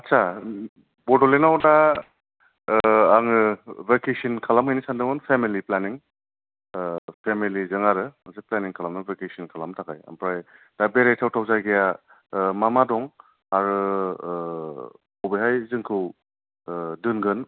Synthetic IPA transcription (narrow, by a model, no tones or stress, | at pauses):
atsa | bɔɾdɔlenawna | aŋɯvekesinkʰalamhɯjnisandɯŋɯnpʰemiliplaniŋ | pʰemilizɯŋaɾɯaŋzeplaniŋkʰalamnɯbekesinkʰalamtʰakaja̰mpɾaj | d̥abeɾajtʰawtʰawzajɡeja | mamadɔŋ | aɾɯ | ɔbeɦajzɯŋkʰɯw | dɯnɡɯn